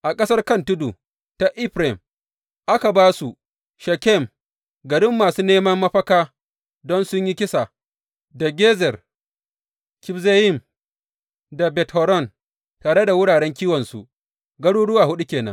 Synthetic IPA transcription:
ʔa˨kʼɐ˦sɐ˦rkɐ˦ntʊ˦du˨ | ta˨ʔɪ˦ɸɾe˨m | ʔa˦ka˨baː˦su˨ | ʃɐ˨kʲɛ˦˨m | ɡɐ˨ɽɪ˦mːaː˨suː˦neː˦mɐ˦mːɐ˦ɸɐ˦kaː˦ | dɔ˦nsʊ˦ɲji˦kʲɪ˦sa˨ | da˨ɡʲeː˦zɛ˨r | kʲɪ˦bze˦jɪ˦˨m | da˨bɛ˨thɔ˨ɾɔ˦˨n | taː˨ɽe˦da˨wʊ˦ɽaː˨ɽɛ˦ŋkʲiː˦wɔ˨nsu˨ | ɡɐ˦ɽuː˦ɽʊ˦waː˨hʊ˦ɗu˦kʲeː˨nɐ̰˦n

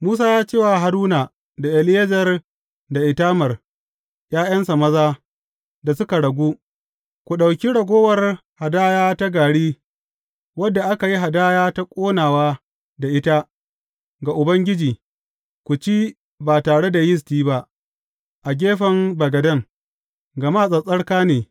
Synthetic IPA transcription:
muː˦s̬aː˦jaː˦t͡ʃeː˦wa˨ɦa˨ɾuː˦naː˨ | da˨ʔɛ˨lɪ˦jɐ˦d͡ʒɐ˨r | da˨ʔɪ˨taː˦mɐ˨r | j̰aː˦jɐ˦nsa˨mɐ˦zaː˦ | da˨sʊ˦ka˨ɽɐ˨ɡʷuː˦ | kʷu˨ɗa˨wkʲi˦ɽɐ˨ɡʷoː˦wɐ˨rha˨daː˦jaː˦ta˦ɡaː˨ɽiː˦ | wɐ˦dːa˨ʔa˦ka˨ji˦ɦa˨daː˦jaː˦ta˦kʷʼoː˦naː˨waː˦ | da˨ʔɪ˦ta˦ | ɡa˨ʔʊ˨bɐ˦ŋɡʲɪ˦d͡ʒiː˨ | kʷu˨t͡ʃiː˦ | baː˨taː˨ɽe˦da˨jɪ˦s̬tiː˦ba˦ʔ | ʔa˨ɡʲeː˦ɸɐ˨mbɐ˨ɡɐ˨dɐ˦ŋ | ɡɐ˨ma˦˨sʼɐ˨sʼɐ˦ɽkaː˦neː˨

